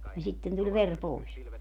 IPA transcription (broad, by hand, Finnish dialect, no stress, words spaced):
jɑ sitːen tulʲ ʋer pois